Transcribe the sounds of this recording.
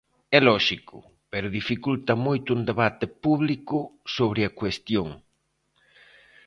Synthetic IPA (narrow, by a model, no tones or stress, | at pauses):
ɛlɔʃikʊ̰ | pɛɾʊðifikult̪ɐmojt̪ʊund̪eβat̪ɪpuβlikʊsoβɾɪɐkwest̪joŋ